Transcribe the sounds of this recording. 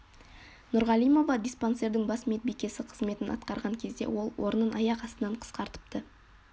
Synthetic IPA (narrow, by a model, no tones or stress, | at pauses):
nʊɾʁɑlˠijmo̞vɑd̪ijspo̞nse̞ɾd̪ɪŋbɑsmet̪̚bijkʲe̞sɪqʰə̥zme̞t̪ɪnɑ̰t̪qɑɾʁɑŋkʲʰe̞zd̪e̞̰wo̞lˠwʔo̞ɾənənʔɑjɑqɑst̪ənɑɴqʰə̥sqɑɾt̪ə̥p̚t̪ə